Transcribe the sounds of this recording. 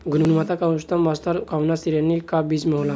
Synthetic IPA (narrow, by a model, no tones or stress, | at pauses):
ɡʱunnumat̪akawst̪amast̪aɾkawnast̪iɾjanːikabiːd͡zmewla